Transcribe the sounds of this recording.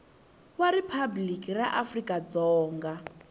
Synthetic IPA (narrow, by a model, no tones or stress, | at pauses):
waɾipʰablikʼiraʔafrikʼad͡zɔːŋɡa